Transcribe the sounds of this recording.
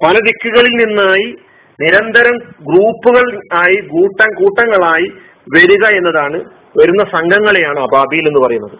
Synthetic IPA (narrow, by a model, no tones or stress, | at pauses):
pɐlɐd̪ikːuɣɐɭilninːaːji | niɾɐnd̪ɐɾɐmɡruːpːuɣɐɭaːjikuːʈːɐŋkuːʈːɐŋːɐɭaːji | ʋɐɾuɣɐe̞nːɐðaːɳɨ | ʋɐɾunːɐsɐŋɡʱɐŋːɐɭe̞jaːɳɨaːbʱaːbijilenːɨpɐrɐjunːɐðɨ